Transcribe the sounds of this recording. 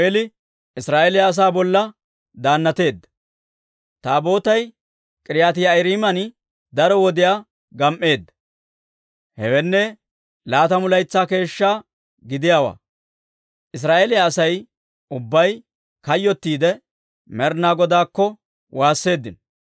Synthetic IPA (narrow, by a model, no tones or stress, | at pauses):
elɪ | ɪsɾaːʔelɪjaːs̬aːbɔlːɐ | d̪aːnːɐt̪e̞ːd̪ːɐ̥ | t̪aːbo̞ːt̪ɐj | kʼɪɾɪjaːt̪ɪjajɾiːmɐn | d̪ɐɾɔwɔd̪ɪjaː | ɡɐmʔːe̞ːd̪ːɐ | hɛwɛnːɛ | laːt̪ɐmʊlɐjt͡sːaːke̞ːʃːaː | ɡɪd̪ɪjaːwa̰ː | ʔɪs̬ɾaːʔelɪjaːsɐj | ʔʊbːɐj | kɐjːɔt̪ːiːd̪ɛ | mɛɾnaːɡɔd̪aːkːɔ | waːsːe̞ːd̪ːɪn